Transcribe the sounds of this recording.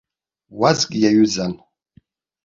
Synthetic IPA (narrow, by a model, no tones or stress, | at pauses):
wazɡʲʼijajuzan